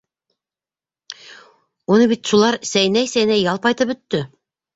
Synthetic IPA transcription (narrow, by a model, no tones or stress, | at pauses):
unɤβit̪ʃulˠɑɾsæj̆næjsæjnæjɑlˠpɑjt̪ɤpbɵ̆t̪ːɵ